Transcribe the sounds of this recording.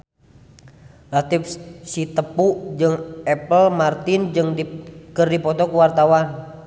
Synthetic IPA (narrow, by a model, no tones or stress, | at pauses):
lat̪ifsit̪əpuʔd͡ʒɨŋɛpəlmart̪ind͡ʒɨŋdikɨrdipɔt̪ɔkuwart̪awan